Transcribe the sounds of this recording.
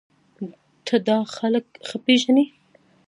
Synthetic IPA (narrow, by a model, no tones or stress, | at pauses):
t̪ʰəd̪ɑxaləkxəpeʒani